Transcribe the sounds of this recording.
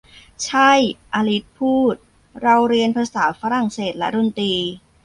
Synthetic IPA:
t͡ɕʰa˥˩jʔaː˧li˦˥t̪̚pʰuː˥˩t̪̚ | ɾa˧wɾi˧ənpʰaː˧saː˩˦faː˦˥ɾa˧˩ŋseː˨˩t̪̚lɛ̰˦˥ɾu˧˥˩nt̪iː˧

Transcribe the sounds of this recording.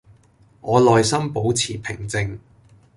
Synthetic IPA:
ŋɔː˨˧lɔː˨jsɐ˥mpo˨˥wt͡sʰiː˨˩pʰɪ˨˩ŋt͡sɪ˧ŋ

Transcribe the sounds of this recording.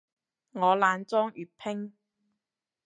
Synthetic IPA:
ŋɔː˨˧laː˨˧nt͡sɔː˥ŋʔyː˨˩t̚pʰɪ˥ŋ

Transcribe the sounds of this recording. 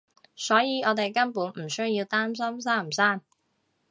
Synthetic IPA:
sɔː˨˥jiː˨˧ɔː˨˧t̪e˨jkɐ˥npuː˨˥nm̩˨˩sɵ˥ɥjjiː˧wt̪aː˥ms̬ɐ˥msaː˥˩m̩˨˩saː˥n

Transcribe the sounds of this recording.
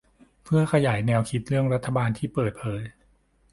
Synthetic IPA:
pʰɯ˥˩ɐkʰa˧jaː˩˦jnɛː˧wkʰi˦˥t̪̚ɾɯ˥˩əŋɾa˦˥t̪ʰːa˧baː˧nt̪ʰiː˥˩pɤː˨˩t̪̚pʰɤː˨˩˦j

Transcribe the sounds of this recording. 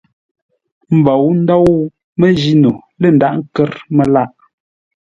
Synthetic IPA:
m̩˨bɔ˨wn̩˦dɔ˦w | mə˦d͡ʒi˦nu˨lə˦˨n̩˨da˦ʔŋ̩˦kɛ˦ɾmə˦la˦ʔ

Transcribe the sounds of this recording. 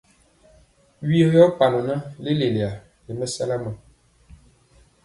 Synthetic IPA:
ɥi˦jɔ˦pa˨nə˨nə˦le˦le˨le˨a˨ | le˨mə˦sa̰˦la˦mə˨

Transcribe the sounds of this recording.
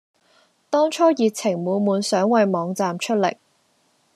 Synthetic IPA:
t̪ɔː˥ŋt͡ʃʰɔː˥jiː˨k̚t͡sʰɪ˨˩ŋmuː˨˧nmuː˨˧nsœː˨˥ŋwɐ˨˧jmɔː˨˧ŋt͡saː˨mt͡ʃʰɵ˥t̚lɪ̰˨˩k̚

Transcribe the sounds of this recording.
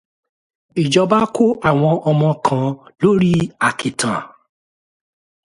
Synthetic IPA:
i˨d͡ʒɔ˧ba˦kʰo˦ʔa˦˨w̃ɔ̃˧ʔɔ˧mɔ̃˧kʰã˨˦lo˦ɾi˦a˨kʰi˨tʰã˨

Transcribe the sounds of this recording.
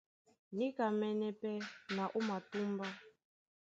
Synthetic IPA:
ni˦ka˨mɛ˦nɛ˦pɛ˦na˨ʔu˦ma˨tu˦mba˦

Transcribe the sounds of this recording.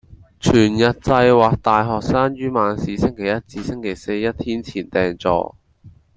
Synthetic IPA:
t͡ʃʰyː˨˩njɐ˨t̚t͡sɐ˧jwaː˨k̚t̪aː˨˧jɦɔː˨k̚saː˥ŋjyː˥maː˨˧nsiː˨˧sɪ˥ŋkʰe˨˩jɐ˥t̚t͡siː˧sɪ˥ŋkʰe˨˩jse˧jjɐ˥t̚t̪ʰiː˥nt͡sʰiː˨˩nt̪ɛː˨ŋt͡sɔ̰ː˧

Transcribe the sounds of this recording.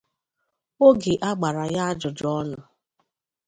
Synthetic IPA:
o˦ɡe˨ʔa˦ɡ͡ba˨ɾa˨ja˦a˦d͡ʒʊ˨d͡ʒɔ˦nʊ˨

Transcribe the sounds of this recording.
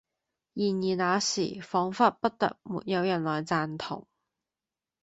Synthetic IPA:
jiː˨˩njiː˨naː˨˧sḭː˨˩fɔː˨˥ŋfaː˥t̚pɐ˥t̚t̪ɐ̰˨k̚mṵː˨t̚jɐ˨˧wjɐ˨˩nlɔː˨˩jt͡saː˧nt̪ʰʊ̰˨˩ŋ

